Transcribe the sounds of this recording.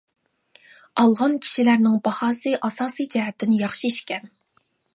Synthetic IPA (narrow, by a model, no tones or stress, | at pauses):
ɑlˠʁɑnkʲʰi̥ʃilæɾnɪŋbɑhɑːsɨʔɑsɑːsɨjd͡ʒɛɦɛt̪ʰːɪnɪjɑχʃiiʃkʲɛn